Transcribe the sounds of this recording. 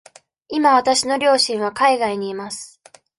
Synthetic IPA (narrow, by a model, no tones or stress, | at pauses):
imaβat̪aɕino̞ɾʲo̞ːɕĩɰ̃β̞akaiɡaiɲ̟iːmasɨ̥